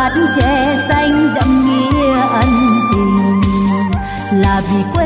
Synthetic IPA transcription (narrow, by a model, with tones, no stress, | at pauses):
a˨tnt͡ɕɛ̰˧˨sa˧jŋ̟zə̰˧˥mŋi˧˦ʔə˧˦nt̪i˨˩mʊ˨˩ŋ˧ | laː˨˩vi˨˩kw